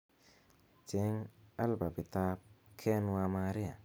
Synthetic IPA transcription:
t͡ʃe˨˦ŋa˦lba˨bi˨ta˦p̚kʰɛ˦nwa˧ma˧ɾi˦a˨

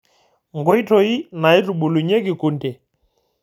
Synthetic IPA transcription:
ŋɡɔ˦i˦tʰɔ˨i˦na˨i˦tu˨ɓu˨lu˨ɲe˦ki˨ku˨n˦tɛ˨

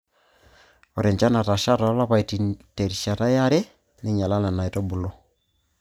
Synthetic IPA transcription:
ɔ˨ɾɛ˨ɲt͡ʃa˦na˨ta˨ʃa˦ta˨˦la˦pa˨i˨ti˨te˨ɾiʃa˨ta˦ja˦ɾe˦ | nɪ˦ɲa˨la˦na˨na˨i˨tɔ˦bu˨lo˦

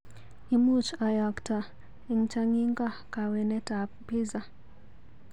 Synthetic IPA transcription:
i˨mu˦t͡ʃa˨ja˨kta˨ | i˨ŋt͡ʃa˦ŋi˦ŋɡa˦˨ka˨we˨nɛ˦ta˨ppi˦za˨

